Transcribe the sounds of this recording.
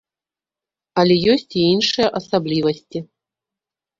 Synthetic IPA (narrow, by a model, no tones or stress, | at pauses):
alʲɛjosʲtʲiinʂɨjɐʔɐsablʲivɐsʲtʲi